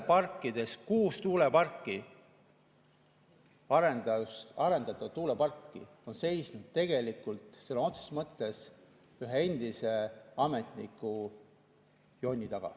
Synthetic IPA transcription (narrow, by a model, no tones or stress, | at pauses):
pɑrkˑːid̪̥e̞skuːst̪uːlepɑrkːˑi | ɑɾenɑsɑɾe̞nd̪ɑt̪ːˑɑt̪ːuːlepɑrkːḭ | o̞nse̞jsnud̪̥̚t̪e̞ɡ̥e̞likːˑult̪ˑselono̞t̪se̥smɤt̪ːˑe̞s | yɦee̞nd̪̥ise̞ɑme̞t̪ˑnḭkːˑu | jo̞nʲːit̪ɑɡ̥ɑ̰